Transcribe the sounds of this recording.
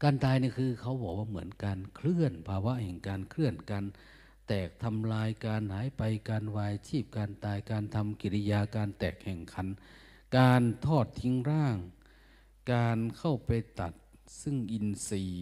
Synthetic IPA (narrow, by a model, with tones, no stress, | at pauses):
kaː˧nt̪aː˧jniː˧˩kʰɯː˧kʰa˧˩wbɔː˨˩k̚waː˧˩mɯ˩˦ənkaː˧nkʰlɯ˧˥˩ənpʰaː˧wa˦˥ʔhɛ˨˩ŋkaː˨˧nkʰlɯ˥˩ənkaː˧n | t̪ɛː˨˩k̚t̪ʰa˧mlaː˧jkaː˧nhaː˨˦jpa˧jkaː˧nwaː˧jt͡ɕʰiː˥˩p̚kaː˧nt̪aː˧jkaː˧nt̪ʰa˧mki˨˧˩li˧jaː˧kaː˧nt̪ɛː˨˩k̚hɛː˨˩ŋkʰa˧˥˦n | kaː˧nt̪ʰɔː˥˩t̪̚ʰːi˧ŋɾaː˥˩ŋ | kaː˧nkʰa˥˩wpa˨jt̪a̰˨˩t̪̚ | sɯ˥˩ŋʔi˧nsiː˧